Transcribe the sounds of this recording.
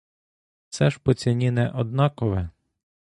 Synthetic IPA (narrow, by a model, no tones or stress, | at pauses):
t̪sɛʃpɔt͡sʲinʲinɛʔɔd̪̚nɑkɔʋɛ